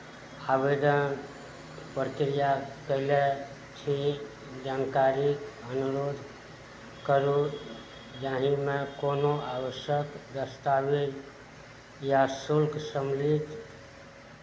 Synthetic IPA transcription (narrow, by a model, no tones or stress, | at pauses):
abed̪ən | pɾəkɾijakəɪle | t͡ʃʰi | d͡ʒankaɾikənuɾod̪ʱ | kəɾũ | d͡ʒaɦĩmekonoawəʃjəkd̪əst̪aʋi | jasulksəmlit̪